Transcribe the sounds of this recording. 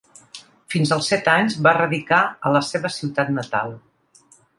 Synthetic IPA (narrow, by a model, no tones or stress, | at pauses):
finzəlˠsɛt̪aɲzβarəðikaələseβəsiwt̪at̪nət̪a̰lˠ